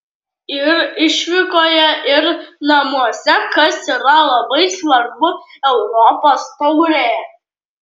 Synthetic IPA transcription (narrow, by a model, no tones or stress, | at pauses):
ɪrɪʃʲʋʲɪkoːjɛʔɪrnɐmuɔsʲɛkɐsiɾɐlˠɐbɐɪsvɐrbʊɛʊɾɔpost̪oʊɾʲejɛ